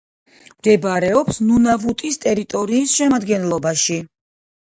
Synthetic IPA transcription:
md̪ɛbaɾɛɔpsnunavut̪ʼist̪ʼɛɾit̪ʼɔɾiːsʃɛmad̪ɡɛnlˠɔbaʃi

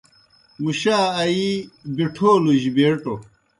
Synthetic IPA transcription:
muɕaːɐibiʈʰoːluʑibeːʈo

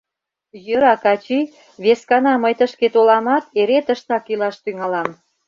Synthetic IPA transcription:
jəɾɑkɑt͡ɕi | βeskɑnɑməjt̪əʃket̪olɑmɑt̪̚eɾet̪əʃt̪ɑkilɑʃt̪yŋɑlɑm

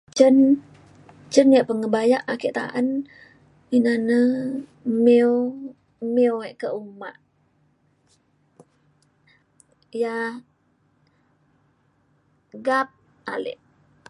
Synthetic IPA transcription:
t͡ʃən | t͡ʃənjaʔpəŋəbajaʔakeʔt̪a̰ʔən | inanə | meo | meoɛʔkəuma̰ʔ | ja | ɡap̚ | a̰lɪ̰ʔ

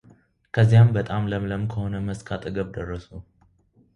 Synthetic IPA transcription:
kʰəzːijambət̪ʼamləmləmkʰəho̞nəməskʰat̪ʼɨɡəβd̪ərːəsu

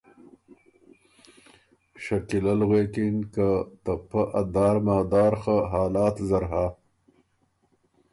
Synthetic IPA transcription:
ʃakilalɣwekinkat̪apəʔad̪ɑːɾmaːd̪ɑːɾxəɦɑːlɑːt̪zaɾɦa

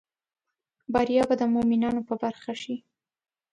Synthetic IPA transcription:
baɾijɑbad̪əmominɑnopəbaɾxaʃi

